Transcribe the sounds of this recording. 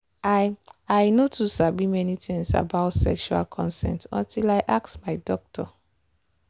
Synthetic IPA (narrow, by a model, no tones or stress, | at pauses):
aajnotʰusabimɛnitĩŋsa̰baʊtsɛ̰kʃua̰lkʰɔ̃nsɛ̰̃ntɔ̰̃ntʰilaɪʔak̚smaɪdɔk̚tʰɔ